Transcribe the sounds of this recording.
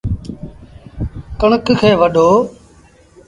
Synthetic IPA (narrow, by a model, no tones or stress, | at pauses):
kəɳəkkʰeːʋəɗoː